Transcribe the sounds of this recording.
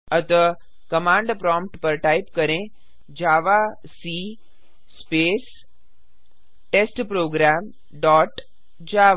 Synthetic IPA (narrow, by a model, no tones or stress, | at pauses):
ət̪ə | kɐmãːɳɖpɾɔ̃ːmpʈpəɾʈaipkəɾẽ | d͡ʒaːʋa | si | speːs | ʈesʈpɾoːɡɾaːm | ɖɔːʈ | d͡ʑaːʋ